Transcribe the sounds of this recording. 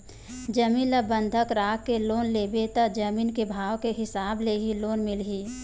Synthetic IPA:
d͡ʒəmiːləbə̃nd̪ʱəkɾaːkːeloːnlebet̪əd͡ʒəmiːnkebʱaːwkeɦɪsaːbleɦiloːnmɪlɦiː

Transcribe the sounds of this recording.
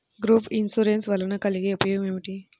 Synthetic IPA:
ɡɾuːpinsuɾensʋɐlːɐnɐkɐliɡeːupɐjoːɡɐmeːʋiʈi

